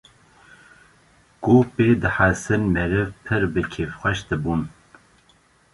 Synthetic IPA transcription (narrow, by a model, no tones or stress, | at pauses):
ɡ̥opeːd̪ɨħasɨnmɛɾɨvpʰɨɾbɨkʰeːfxʷɛʃd̪ɨbun